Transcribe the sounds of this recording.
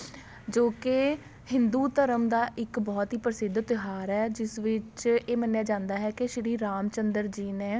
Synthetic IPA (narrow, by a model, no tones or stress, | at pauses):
d͡ʒoːke | hɪnd̪uːt̪əɾəmd̪aːʔɪkbɔːt̪ɦiːpəɾəsɪd̪ʱt̪ɪɦaːɾɛːd͡ʒɪsʋɪt͡ʃeːmənːjãːd͡ʒãːnd̪aːɦɛːkɪʃɪɾiːɾaːmt͡ʃənd̪əɾd͡ʒiːnɛ̃ː